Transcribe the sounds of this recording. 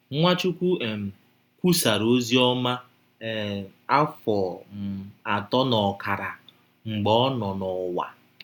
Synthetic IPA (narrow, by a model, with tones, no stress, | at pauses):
ŋʷa˦t͡ʃu˦kʷu˦e˨m̩˨ | kʷu˦sa˨ɾo˦zi˦ɔ˦ma˦˨ | a˦fɔ˨m̩˨a˨tɔ˦nɔ˨ka˨ɾa˨ | ŋ͡m̩˨ɡ͡bɔ˦nɔ˨nɔ˨wa̰˨